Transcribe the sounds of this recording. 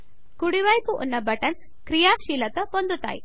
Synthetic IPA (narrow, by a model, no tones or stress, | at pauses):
kuɽiʋajpuʔunːabɐʈant͡s | kɾijaʃilat̪əpɔnd̪ut̪a̰j